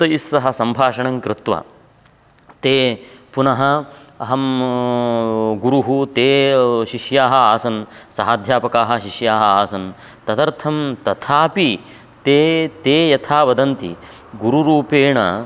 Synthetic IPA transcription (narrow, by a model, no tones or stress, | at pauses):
t̪ɐisːɐɦɐsɐmbʱaːʂɐɳɐŋkɾɪt̪ʋɐ̰ | t̪eːpunɐɦɐɐɦɐm | ɡuɾuɦut̪eːʃiʂjaːɦɐaːsɐnsɐɦaːd̪ʱjaːpɐkaːɦɐ̆ʃiʂjaːɦɐaːsɐn | t̪ɐt̪ɐɾt̪ʰɐmt̪ɐt̪ʰaːpi | t̪eːt̪eːjɐt̪ʰaːʋɐd̪ɐnt̪ḭ | ɡuɾuɾuːpeːɳɐ